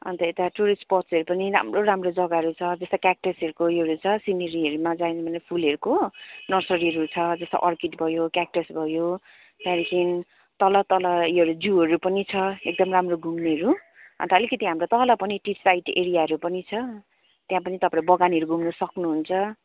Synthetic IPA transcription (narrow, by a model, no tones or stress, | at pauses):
ʌ̰nt̪ʌet̪aʈuɾispʌrsʌɾupʌniɾa̰mroɾamrod͡zʌɡaɦʌɾut͡sʰʌd͡zʌst̪akak̚ʈesʌɾukojɦʌɾut͡sʰʌsinʌɾiɦʌɾumad͡zajnʌbʱʌnepʰulʌɾukonʌrsʌɾiʌɾut͡sʰʌd͡zʌst̪a̰ʔʌrkiʈbʱʌjokak̚ʈesbʱʌjo | p̪ãɾikin | t̪ʌlʌt̪ʌlʌiɦʌɾud͡zuɦʌɾupʌnit͡sʰʌek̚d̪ʌmramroɡʱumneʌɾu | ʌ̰nt̪ʌʌlikʌt̪iɦamrot̪ʌlʌpʌniʈiʈsajʈḛɾijaɦʌɾupʌnit͡sʰʌ | t̪jãpʌnit̪ʌpãɾbʌɡaniɦʌɾuɡʱumnʌsʌknuɦunt͡sʰʌ